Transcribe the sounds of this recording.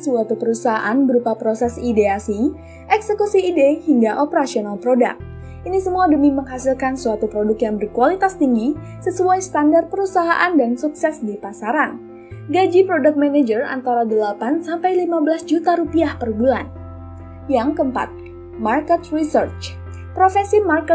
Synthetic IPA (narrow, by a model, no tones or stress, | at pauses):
suat̪upəɾusaɦaʔanbəɾupapɾosɛsideasi | ʔɛksəkusiːdehiŋɡaʔopəɾasionalpɾoda̰k̚ | ʔinisəmuadəmiməŋɦasilkansuat̪upɾodʊkjaŋbərkualit̪ast̪iŋɡi | səsuajst̪andart̪̚pəɾusaɦaʔandansuksɛsdipasaɾan | ɡad͡ʒipɾodak̚maned͡ʒəra̰nt̪aɾadəlapansampajlimabəlasd͡ʒut̪aɾupiahpərbulan | jaŋkəmpa̰t̪̚ | markət̪risərt͡ʃ | pɾofesimarkə